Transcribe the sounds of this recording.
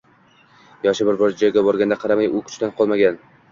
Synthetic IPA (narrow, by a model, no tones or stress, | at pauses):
jɒʃɪbɪɾbɒɾd͡ʒad͡ʒɒjɡʲabɒɾɡʲand̪aqʰɑɾamajʊkʰʊ̥t͡ʃt̪anqʰɒlˠmaɡʲan